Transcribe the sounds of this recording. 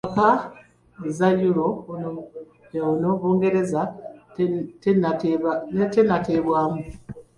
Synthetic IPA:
aka | ezajuɾo | onoβuːŋɡe̞ɾe̞za | tennetenateːβwaːmu

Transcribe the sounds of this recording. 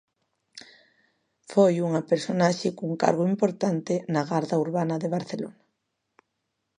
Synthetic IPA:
fojuŋapeɾsonaʃekuŋka̰ɾɣoimpoɾt̪ant̪enaɣaɾðauɾβanaðeβ̞aɾθelo̰na

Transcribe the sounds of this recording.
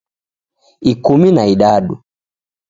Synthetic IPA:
ikuminaiɗaɗu

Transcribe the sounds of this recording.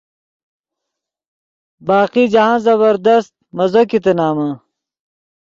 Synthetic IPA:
baːqid͡ʑɐɦãːzɐβɐɾd̪ɐst̪̚mɐzokit̪enaːmã

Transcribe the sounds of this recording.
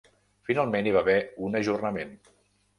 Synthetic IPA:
finalˠmeniβ̞aβɛunəʒurnəmen

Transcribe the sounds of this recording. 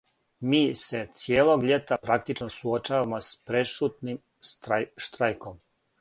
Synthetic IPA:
miːse̞t̪sjeːlˠoɡʎe̞t̪apɾak̚t̪it͡ʃnosuot͡ʃaːʋamospɾe̞ʃut̪nim | ʃt̪ɾajkom

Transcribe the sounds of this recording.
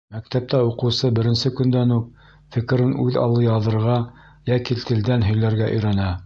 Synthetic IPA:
mæk̚t̪æp̚t̪æuqɤ̆wsɤbɘ̆ɾɘ̆nsɘkɵ̆nd̪ænuq̚ | fɘ̆kɘ̆ɾɘnʉðɑ̰lˠɤjɑðɤ̆ɾʁɑ | jækit̪ʰɘ̆ld̪ænɦɵ̆jlæɾɡæʔɵ̰̆jɾænæ

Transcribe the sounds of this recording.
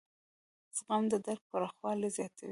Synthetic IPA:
z̥ɣamd̪əd̪aɾ̚paɾaxwɑlezjɑt̪ʰaw

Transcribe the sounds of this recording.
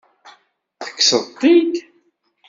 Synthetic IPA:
θə̥kːsəðˤt̪ˤːid̪

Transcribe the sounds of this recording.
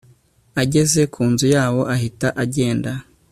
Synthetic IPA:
aɟe̞ze̞kʰuːnzujaːwo̞ʔaɦitaʔaɟe̞ːnda

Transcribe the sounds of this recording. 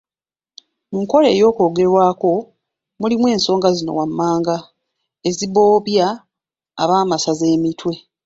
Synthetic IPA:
muŋko̞lḛːjo̞ːko̞ːɡe̞ɾwaːko̞ | mulimwe̞ːnso̞ːŋɡazino̞̰wamːaːŋɡa | eziβo̞ːβja̰ː | βaːmasaze̞ːmitwe̞

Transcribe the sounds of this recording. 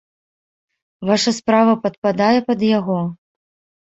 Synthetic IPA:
vaʂɐspɾavɐpɐt̪̚pad̪ajɛpɐd̪jaɣɔ

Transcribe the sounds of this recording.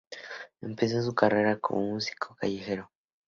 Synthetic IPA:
empezezukaɾaɾako̰umusi̥kʰokajiheɾo

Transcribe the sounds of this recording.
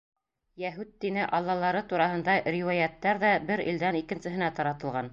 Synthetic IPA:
jæɦʉt̪ːinɘʔɑlˠːɑlˠɑɾɤt̪uɾɑhɤ̆nd̪ɑɾiwɑjæt̪ːæɾðæbɘɾḭld̪ænikɘ̆nsɘ̆ɦɘ̆næt̪ɑɾɑt̪ɤ̆lˠʁɑn

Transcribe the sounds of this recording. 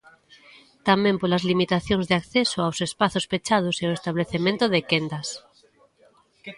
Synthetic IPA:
t̪amẽmpolazlimit̪aθjõŋzðeakθesoawsespaθospet͡ʃað̞oseoest̪aβleθemẽnt̪oðekend̪as

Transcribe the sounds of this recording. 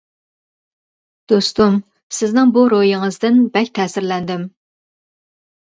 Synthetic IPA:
d̪̥ost̪um | sɪznɪŋbuɾojɪŋɨzd̪ɪnbɛkʲt̪ʰɛːsɪɾlɛnd̪ɪm

